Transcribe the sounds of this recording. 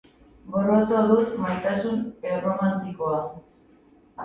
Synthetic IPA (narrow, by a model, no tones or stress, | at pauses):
ɡorot̪oðumajt̪asuneromant̪ikoa